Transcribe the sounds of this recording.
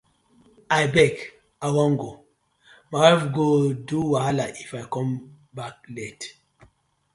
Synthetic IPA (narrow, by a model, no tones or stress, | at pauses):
ajbɛk | awɔ̃ŋɡo | mawɛfɡoduwalaʔifajkɔ̃m | bak̚lɛt